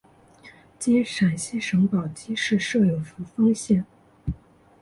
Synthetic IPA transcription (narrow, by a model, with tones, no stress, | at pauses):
t͡ɕɛ˥nʂa˨˩nɕi˥ʂɤ˧˥ŋpɑ˨˩ʊt͡ɕi˥ʂɻ̩˥˧ʂɤ˥˩jo˨˩ʊfu˧˥fɑ˥ŋɕjɛ˥˩n